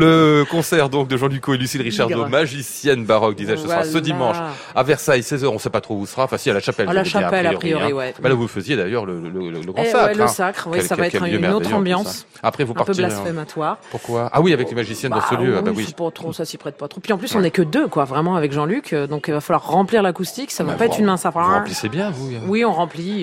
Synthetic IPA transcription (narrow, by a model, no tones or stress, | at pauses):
ləkɔ̃sɛʁd̪ɔ̃k̚d̪əʒɑ̃lykoelysilʁiʃaʁd̪omaʒisjɛnbaʁɔk̚d̪izɛsəsʁassəd̪imɑ̃ʃ | avɛʁsajsɛzœʁɔ̃sɛpat̪χouusəʁaɑ̃fɛ̃sialaʃapɛllaʃaapɛɛlaɔpʁχijɔiwɛbɛlavuləfəzjed̪ajœʁlələlələɡʁɑ̃saɛləsakχvwɛsavaɛtkɛvjmɛʁnot̪χɑ̃bjɑ̃s | apχɛvũpapøblasfɛmat̪waːʁpuʁkwaa̰wiavɛklemaʒisjɛnd̪ɑ̃səljøawawiipat̪χosasipχɛt̪̚pat̪χopɥiɑ̃plysɔ̃nɛkəd̪økwavʁɛmɑ̃avɛkʒɑ̃lykʰød̪ɔ̃kivafalwaʁːɑ̃pliʁlakust̪iksavapaɛχynmɛ̃safaisɛbjɛ̃vuwiɔ̃ʁɑ̃pli